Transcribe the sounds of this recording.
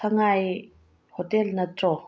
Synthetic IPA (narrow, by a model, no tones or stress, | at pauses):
aŋaj | hot̪ɛlnət͡sɔ